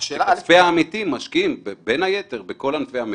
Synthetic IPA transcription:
ʃeafeaːmit̪imːaʃkiimbebenajet̪e̞ʁbeko̞lanfeami

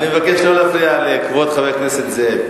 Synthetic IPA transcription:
nimevakeʃlolaflialekvot̪χavekneset̪ze

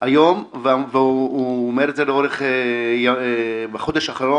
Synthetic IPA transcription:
ajomvveuːmeɾetzeleoɾeχejabeχod̪eʃaχaɾo

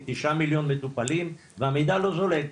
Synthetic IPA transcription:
t̪iʃamiljo̞nmet̪upalim | veamejd̪alo̞zolek

